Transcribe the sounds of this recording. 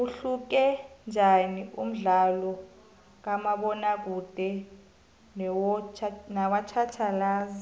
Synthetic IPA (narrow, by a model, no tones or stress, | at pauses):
uɬuk̬ɛnd͡ʒʱaniʔum̩ɮalɔ | k̬amaɓɔnak̬ud̥ʱɛ | nwnawat͡ʃʰat͡ʃʰalaːzi